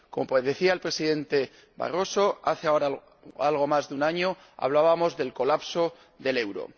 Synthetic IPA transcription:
ko̞mo̞peðe̞θiaelpɾe̞siðe̞nt̪e̞ | βa̰ro̞so̞aθe̞ao̞ɾa | alɣ̞o̞mazðeunaɲo̞ | a̰β̞laβamo̞zðe̞lko̞lapso̞ | ðe̞le̞wɾo̰

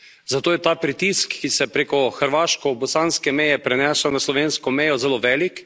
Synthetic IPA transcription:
zat̪oːjɛt̪aːpɾit̪iskːisɛpɾeːkɔxəɾʋaːʃkɔbɔsaːnskɛmɛjɛpɾɛnɛːsanaslɔʋeːnskɔmɛjɔzɛloːʋɛːlik

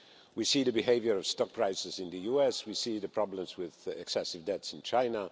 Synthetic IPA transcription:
wisiðəbɪɦeɪvjə˞ʌv̥stɔk̚pʰɹ̥aɪsɨzɪ̃nðɨjuɛswisiðɨpʰɹ̥ɑblə̃mzwɪðɛksɛsɪvdɛtsɪ̃nt͡ʃʰãɪnə

